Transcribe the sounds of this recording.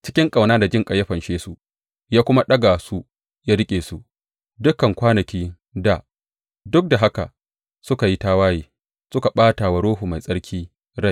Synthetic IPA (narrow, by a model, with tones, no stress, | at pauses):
t͡ʃɪ̥˦kʲɪ˦ŋkʼa˨wnaː˦da˨d͡ʒɪ˦ŋkʼɐ˨jɐ˦ɸɐ˨nʃeː˦su˨ | jaː˦kʷʊ˦ma˦ɗɐ˦ɡaː˨su˦ | jaː˦ɽɪ˦kʲʼeː˨su˨ʔ | dʊ˦kɐ˨ŋkʷaː˦nɐ˨kʲiː˦ | da˨ | dʊ˦k̚da˨ɦa˦ka̰˨ | sʊ˦ka˨ji˦taː˦waː˦jiː˦ | sʊ˦ka˨ɓaː˦ta˨wa˨ɽoː˦ɦu˨ma˨jsʼɐ˦ɽkʲʰiː˦ | ɽa˦˨j